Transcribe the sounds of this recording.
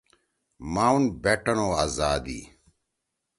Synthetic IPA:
maːunbeʈɐnoːaːzaːd̪ḭː

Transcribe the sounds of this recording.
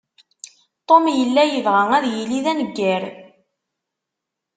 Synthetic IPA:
t̪ˤomjəlːæjəvʁæŋæðjiliðænəɡːæɾ

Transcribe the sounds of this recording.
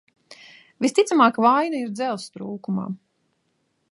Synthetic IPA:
vist̪it̪samaːkavajnaiɾd̪zɛlˠst̪ɾuːkuma̰ː

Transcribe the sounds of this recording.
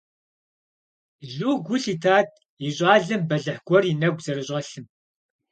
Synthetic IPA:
ɮuːɡʷʊɬitʰaːt̚ʰ | iɕʼaːɮɨmbɐɮɨħɡʷɔrinɐɡʷzɐɾɨɕʼɐɬɨm

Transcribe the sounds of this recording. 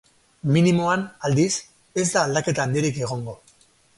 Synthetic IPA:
minimoanald̪is | e̞zd̪aːld̪ake̞t̪aːnd̪ieɾike̞ɣ̞o̞ŋɡo̞

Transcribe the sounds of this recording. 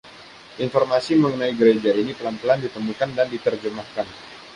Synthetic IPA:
ʔinfɔrmasiməŋənaiɡəɾed͡ʒainipəlant̪əlandit̪əmukandandit̪ərd͡ʒəmahkan

